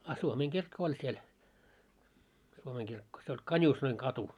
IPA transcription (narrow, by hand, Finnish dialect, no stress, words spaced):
ɑ suomeːŋkirkːo olʲ siel suomeːŋkirkːo se olʲ kɑnʲuːsnoiŋkɑtu